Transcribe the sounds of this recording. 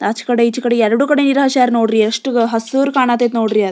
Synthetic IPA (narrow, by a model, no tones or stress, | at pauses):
ɐt͡ʃkɐɽeit͡ʃːukɐɽeɛɾɐɽuːkɐɽeniɾɦaʃaːɾnoːɽɾiɐʂʈɦɐsuːɾkaːɳaːt̪eːt̪noːɽɾijad̪